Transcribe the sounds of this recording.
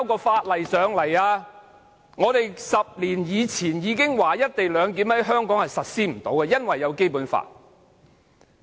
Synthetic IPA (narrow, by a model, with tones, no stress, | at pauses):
wkɔː˧faː˧t̚lɐ˨˩jsœː˨˧ŋlɐ˨˩jaː˧ | ŋɔː˨˧t̪e˨jsɐ˨p̚liː˨˩njiː˨˧t͡sʰiː˨˩njiː˨˧kɪ˥ŋwaː˨jɐ˥t̚t̪e˨jlœː˨˧ŋk̪iː˨˥mhɐ˨˥jɦœː˥ŋkɔː˨˥ŋhɐ˨˩jsɐ˨t̚siː˥m̩˨˩t̪o˨˥wkɛː˧jɐ˥nwɐ˨jːɐ˨˧wke˥jpuː˨˥nfa̰ː˧t̚